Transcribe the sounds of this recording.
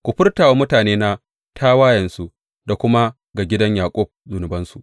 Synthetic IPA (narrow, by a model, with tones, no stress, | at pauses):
kʷu˨ɸɪ˦rtaː˨wa˦mʊ˦taː˨neː˦na˦ | tʰaː˦waː˦jɐ˨nsu˦ | da˨kʷʊ˦ma˦ | ɡa˨ɡʲɪ˦dɐ˦ɲjaː˨kʷʼɔ˦b̚zʊ˨nʊ˨bɐ˦nsu˨ʔ